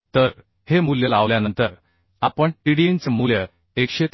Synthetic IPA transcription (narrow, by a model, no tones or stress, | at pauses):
t̪əɾ | hemuljəlaʋljanənt̪əɾ | apəɳʈiɽiint͡smuljə | ekɕet̪